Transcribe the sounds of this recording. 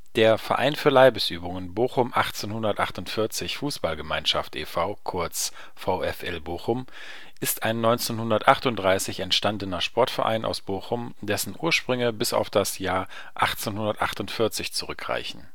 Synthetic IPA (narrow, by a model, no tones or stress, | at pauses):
d̥eːɐfɛɐʔa̰ɪnfyːɐlaɪbəsʔyːbʊŋənboːχʊmʔaχt͡seːnhʊndɐtʔaχtʊntfɪɐt͡sɪçfuːsb̥alɡəmaɪnʃaftʰʔḛfaʊkʰʊɐt͡s | faʊɛfʔɛlboːxʊm | ʔɪstaɪnːɔʏnt͡senhʊndɐtʔaχtʊntdʁaɪsɪçɛntʃtandənɐʃpʰɔɐtfɛɐʔa̰ɪnʔa̰ʊsb̥oːxʊm | d̥ɛsn̩ʔuːɐʃpʁ̥ʏŋəbɪsa̰ʊfd̥asjaːɐ | ʔaχt͡seːnhʊndɐtʔa̰χtʊntfɪɐt͡sɪçt͡suʁʏkʁ̥a̰ɪçn̩